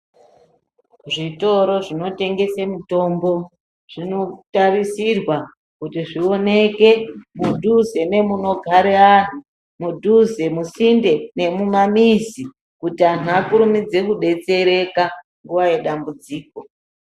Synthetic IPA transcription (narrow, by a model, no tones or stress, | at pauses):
ʐito̞ɾo̞ʐino̞te̞ŋɡe̞semuto̞mbo̞ | ʐ̥ino̞tarisirwa | kutiʐio̞ne̞ke̞mudʱuze̞ne̞muno̞ɡʱaɾean̤u | mudʱuze̞musinde̞ne̞mumamizi | kutian̤uakuɾumid͡ze̞kuɗe̞t͡se̞ɾe̞ka | ŋɡuʋaje̞ɗambud͡ziːko̞